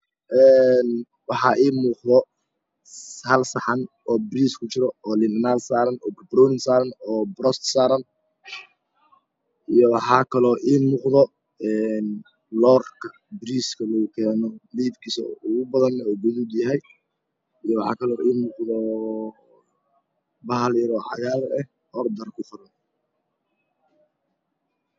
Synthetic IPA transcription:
ʔɛːn | wɑħɑːʔiːmuːqðɔ | hɐlsɐħɑnʔɔːbɾiːskʰʊt͡ʃɪɾɔɔːlɪndɪnaːlsaːɾɐnɔːbɐbɾɔwnɪnsaːɾɐnɔːbɾɔst̪saːɾɐn | ʔijɔwɑħɑːkʰɐlɔːʔiːmuːqðɔ | ɛːn | lɔːrkʰɐ̥ | bɪɾiːskʰɐlɔːɣʊkʰɛːnɔliːbkʰiːsɐ̰ʊɣʊbɐðɐnɛɔːɡʊðud̪jɐɦɛj | ijɔwɑħɑ̰ːkʰɐlɔːʔiːnmʊːqðɔ | bɐɦɐlɪɾɔːħɑ̰jaːɾɛh | ʔɔːrd̪ɐrkʰʊfʊɾɐn

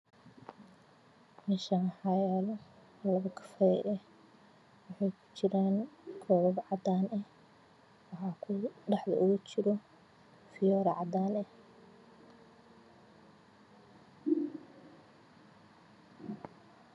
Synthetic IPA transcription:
mɛʃaħɑjɛːlɔ | lɐβɐkʰɐ̥fɐɛ̰jʔɛh | wɑħɑjkʰʊ̥t͡ʃɪɾaːnkʰɔːβɐbʕɑd̪aːnɛh | wɑħɑːkʰʊɖɑħd̪ɐ̰ʔʊɣʊt͡ʃɪɾɔ | fɪjɔːɾɐʕɑd̪aːnɛh

